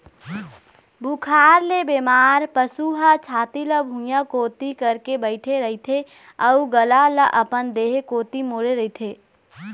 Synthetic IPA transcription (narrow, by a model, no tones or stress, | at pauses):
bukʰaːɾlebemaːɾpəsuɦat͡ʃʰaːt̪iləbʱũjãkoːt̪ikəɾkebəɪʈʰeɾəit̪ʰe | əuɡəlaləʔəpənd̪eːɦekoːt̪imoːɾeɾɐɦit̪ʰeː